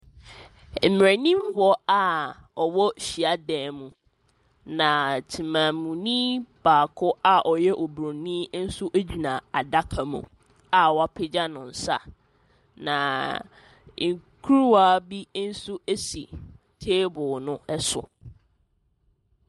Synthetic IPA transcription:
m̩˨m˨ɾa˨nĩ˦mbɔ˦a˨ | ɔ˨wɔ˦ɕi˨a˦dɛ̃ː˨mũ˨ | nã˨tʰi˨mã˨mũ˨nĩ˦b̥aː˨kʰʊ˦a˨ʔɔ˨jɛ˦ʔɔ˨bɾõ˨nĩ˦n̩˦sʊ˦ʔe˦d͡ʑi˨nã˨a˨da˦kʰa˨mṵ̃˨ | a˨wa˦˨pʰɪ˦d͡ʑa˦nʊ̃˨n̩˨sa̰˦ | nã˨ | ŋ̩˨kʰu˦ɾu˦wa˦bi˦n̩˦su˦e˦sḭ˨ | tʰeː˦bʊ˨nʊ̃˦ɛ˦sʊ̰˨

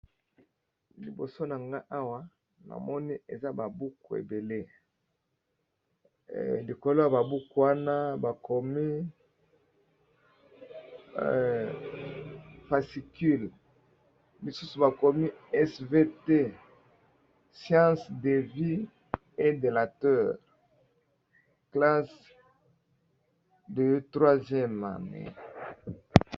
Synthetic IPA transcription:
li˨bo̰˨so˦na˨ŋɡa˦ʔa˦wa˦ | na̰˨mɔ˦ni˦e˨za˦ba˨bu˦ku˨ḛ˨be˨le˦ | li˨ko˨lo˦ja˨ba˨bu˦ku˨wa˦na˦ba˨ko˨mi˦ | fa˨si˨ky˦˨l | li˨su˦su˨ba˨ko˨mi˦ɛ˦sve˦te˦ | sjã˦sd̪e˨vi˦ | e˦d̪e˨la˨tœ˦˨ʁ | kla˦s | də˨tʁwa˦zjɛ˦ma̰˨nḛ˨

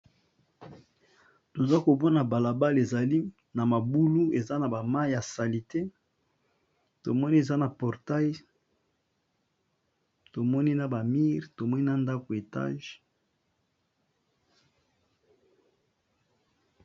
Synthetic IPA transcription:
to˨za˦ko˨bɔ˦na˨ba˨la˨ba˦le˨za˨li˦ | na˨ma˨bu˦lu˦e˨za˦na˨ba˨ma˦ja˨sa˨li˨te˦ | to˨mɔ˦ni˦e˨za˦na˨pɔ˨ʁta˦j | to˨mɔ˦ni˦na˨ba˨mi˦ʁto˨mɔ˦ni˦na˨nda˦ko˨e˨ta̰˦ʒ

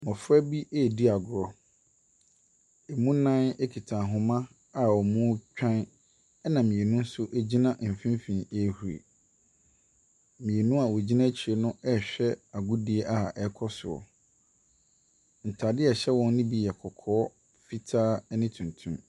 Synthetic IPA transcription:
mɔ̃˨fʊ˦æ˦bi˦ʔɛ˦˨di˦a˨ɡʊ˨ɾɔ˦ | e˨mũ˦nã˦nɛ˦kʰi˨tʰã˨ɦʊ̃˨mã˦ | a˨wɔ˨mʊ̃˦t͡ɕᶣã˦n | ɛ˦nã˨mĩ˨e˨nũ˦n˦sʊ˦ʔe˦d͡ʑi˦nã˦ʔm̩˨fĩ˦m˦fĩ˨e˦hu˨ɾḛ˨ | mĩ˨e˨nũ˦a˨wo˨d͡ʑi˦nã˦t͡ɕʰi˨e˨nʊ̃˦ɛ˦˨ɕᶣɛ˦a˨ɡʊ˦dɪ˨˦ɛ˦ʔa˨ɛ˦kʰɔ˦sʊ̰˨ɔ̰˨ | n̩˨tʰa˨dɪ˦ɛ˨ɕɛ˦wɔ̃˦n˦nɪ̃˦bi˦jɛ˨kʰɔ˨kʰɔː˦ | fi˦tʰaː˦nɪ̃˦tʰũ˨ntʰũ˦m

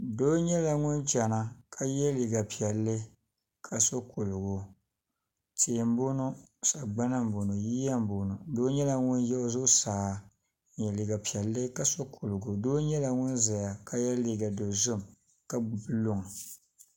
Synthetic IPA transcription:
doː˦ɲɛ˦la˨ŋʊ˦nd͡ʒa˨na˨kʰa˦jɛ˦li˨ɡa˨pi˨ɛ˨lːɨ˦ | kʰa˨so˦kʰʊ˨lʊ˨ɡʊ˨ | teː˨m̩˦bo˦nʊ˦sa˨ɡ͡ba˦na˦m̩˨bo˨nʊ˨jiː˦ja˦m˦bo˨nʊ˨doː˦ɲɛ˦la˨ŋʊ˦n˦jɛ˦o˦zʊ˦saː˨˦ | ɲɛ˨li˨ɡa˨pi˨ɛ˨lːɨ˦ka˦so˦kʰʊ˨lʊ˨ɡʊ˨doː˦ɲɛ˦la˨ŋʊ˦nza˨ja˨kʰa˦jɛ˦li˦ɡa˨do˨zʊ˦m | ka˦˨bɨ˦lʊ˦ŋ˨

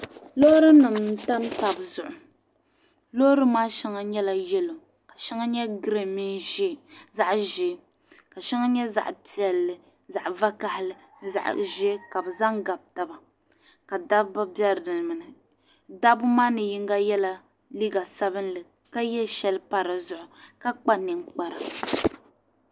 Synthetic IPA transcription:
lo˦ɾɨ˦nɨ˨mn˨˦ta˦m˦ta˨bzʊ˨ʔʊ˨ | lo˦ɾɨ˦maː˦ʃɛ˦ŋa˦ɲɛ˦la˨jɛ˦lo˨ | ka˨ʃɛ˦ŋa˦ɲɛ˦ɡɾe˨mi˦nʒe˦˨za˦ʔʒe˨˦ | ka˨ʃɛ˦ŋa˦ɲɛ˦za̰˨ʔpi˨ɛ˨lːɨ˨ | za˨ʔva˦ka˦hɪ˨lɨ˨ | za̰˨ʔʒe˦ka˨bɨ˨za˦ŋɡa˨b̚ta˦ba˨ | ka˨da˦bba˦bjɛ˦ɾdɨ˨lmɨ˨nɨ˨ | da˦bʊ˦maː˦nɨ˨ji˦ŋ˦ɡa˦jɛ˦la˨ | li˦ɡa˨sa˦bɨ˦nlɨ˨ | ka˦jɛ˦ʃɛ˦lpa˦ɾɨ˨zʊ˦ʔʊ˨ka˦k͡pa˦nɨ˨ŋk͡pa˨ɾa˨

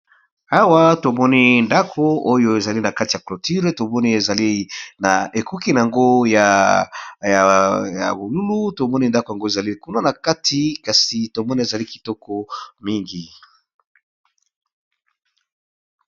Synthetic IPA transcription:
a˦wa˦to˨mɔ˦ni˦nda˦kʰo˦o˦jo˦e˨za˨li˦na˨ka˦ti˨ja˨klo˨ti˦ʁe˦to˨mɔ˦ni˦e˨za˨li˦na˨ʔe˨ku˦ki˦na˨a˨ŋɡo˦ja˨ | ja˨ja̰˨bo˨lu˦lu˦to˨mɔ˦ni˦nda˦ko˨ja˨ŋɡo˦e˨za˨li˦ku˦na˦na˨ka˦tʰi˨˦ka˨si˨to˨mɔ˦ni˦e˨za˨li˦ki̥˨tɔ˦kɔ˨mi˦ŋɡi˨

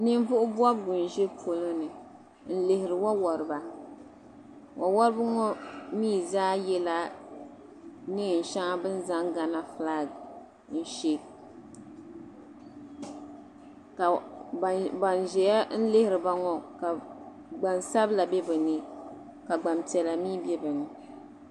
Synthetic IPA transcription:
nɨ˦m˦vʊ˦ʔʊ˦bu˦a˦bɡʊ˨n˨ʒe˦pʰo˦lo˦nɨ˨ | n̩˦lɪ˨hɪ˨ɾɨ˨wa˦wɔ˨ɾɨ˨ba˨ | wʔa˨wɔ˦ɾɨ˦bɨ˦ŋɔ˦miː˦˨zaː˦jɛ˦la˦ | nɨ˦˨n̩˨ʃa˦ŋa˦bɨ˦n˦za˦ŋɡa˨na˦fla˦ɡ | n̩˦ʃe˦ | ka˨ | ba˨nʒɛ˨ja˦n̩˦lɪ˦hɪ˨ɾɨ˨ba˦ŋɔ˨ka˨ | ɡ͡ba˨nsa˦bla˨bɛ˦bɨ˨nɨ˦ | ka˨ɡ͡ba˨mtɛ˨la˨miː˦bɛ˦bɨ˨nɨ˨

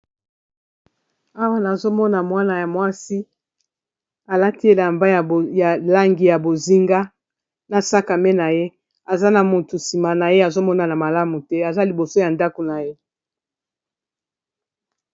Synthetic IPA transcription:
a˦wa˦na˨zo˦mɔ˦na˨mwa˦na˨ja˨mwa˦si˦ | a˨la˦ti˦e˦la˨mba˦ja˨ja˨la˦ŋɡi˨ja˨bo˨zi˦ŋɡa˦ | na˨sa˦ka˨mɛ˦na˨je˦ | a˨za˦na˨mo˨tu˨si˨ma˨na˨je˦a˨zo˦mɔ˦na˨na˨ma˨la˦mu˨tɛ˦a˨za˦li˨bo˨so˦ja˨nda˦ko˨na˨je˦

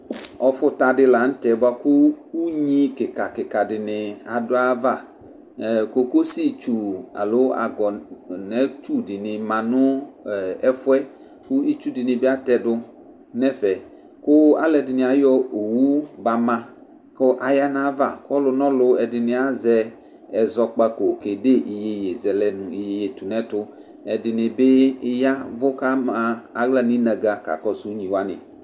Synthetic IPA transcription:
ɔ˨fʊ˦ta˨dɪ˦˧la˨n̩˦tɛ˨ba˨kʊ˦u˦ɲi˦kɪ˨ka˨kɪ˨ka˨dɪ˨nɪ˨a˨dʊ˦a˦va˦˨ | ko˦ko˦si˦t͡ʃu˨a̰˨lʊ˦a̰˨ɡɔ˨nɛ˦t͡ʃu˦dɪ˨nɪ˨mã˨nʊ˦˨ | ɛ˦fʊ˦ɛ˦ | kʊ˦i˦t͡ʃu˦dɪ˨nɪ̃˨bɪ˦a˦t̪ɛ˨dʊ˧ | nɛ˦fɛ˨ | kʊ˦a̰˦lɛ˨dɪ˨nɪ̃˨a˨jɔ˦o˨wu˦ba˨mã˦ | kʊ˦ʔa˨ja˦nã˦va̰˨kɔ˦lʊ˧nɔ̃˦lʊ˧ɛ˨dɪ˨nɪ̃˨a˦zɛ˦ | ɛ˨zɔ˦k͡pa˦ko˨ke˨de˦ʔi˨je˨je˨zɛ˨lɛ˦n˨i˨je˨je˨tu˨nɛ˦tʊ˦ | ɛ˨dɪ˨nɪ˨bɪ˦ɪ˦ja˦vʊ˦ka˦ma˨a˨ɣla˦ni˦na˨ɡa˨ka̰˨kɔ˦su˨˦ɲĩ˨wa˦nɪ̰˨

